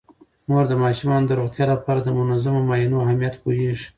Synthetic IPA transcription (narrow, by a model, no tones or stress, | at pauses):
moɾd̪əmɑʃumɑnod̪əɾoɣt̪jɑlapɑɾad̪əmʊnazamomɑjinoahamijat̪poɦeʐ